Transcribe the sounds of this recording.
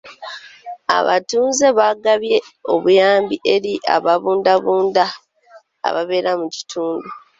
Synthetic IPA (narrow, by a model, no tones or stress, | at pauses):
a̰βa̰tuːnze̞βaɡaβje̞o̞βujaːmbiʔeɾiʔa̰βaβuːndaβuːnda̰ː | βaβe̞ɾamuci̥tʰuːndu